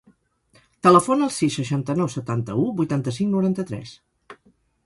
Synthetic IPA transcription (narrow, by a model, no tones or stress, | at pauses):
t̪ələfonəːlˠsisːəʃant̪ənɔwsət̪ant̪əubujt̪ant̪əsiŋnuɾant̪ət̪ɾɛ̰s